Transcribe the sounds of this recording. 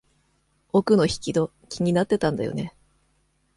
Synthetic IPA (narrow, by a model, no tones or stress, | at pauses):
okɯ̟no̞çi̥kʲid̪o̞ | kʲiɲ̟inat̪ːe̞t̪ãnd̪a̰jo̰ne̞